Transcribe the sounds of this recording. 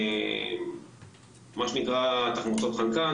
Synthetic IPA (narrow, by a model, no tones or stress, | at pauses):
maʃenikʁat̪aχmut͡sot̪χalka